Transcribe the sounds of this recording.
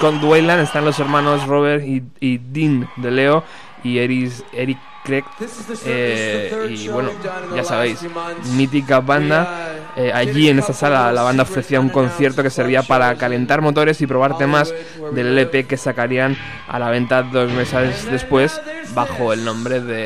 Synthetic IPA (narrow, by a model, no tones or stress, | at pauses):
kond̪wejlane̞st̪anlo̞se̞ɾmãno̞zro̞β̞eɾid̪ind̪e̞le̞o̞ | ieieɾikː | ɾeke | iβwe̞noʝasaβ̞e̞jsmit̪̬ikaβand̪aeaʝie̞ne̞st̪asalalaβ̞and̪ao̞fɾe̞θiauŋko̞n̟θje̞ɾt̪o̞ke̞se̞ɾβ̞iapaɾakale̞nt̪aɾmo̞t̪o̞ɾe̞sipɾo̞βaɾt̪e̞maz | ðe̞lele̞pe̞ke̞sakaɾian | a̰laβ̞ẽ̞nt̪aðo̞zme̞sezðe̞spwe̞s | baxo̞e̞lnõ̞mbɾe̞ðe̞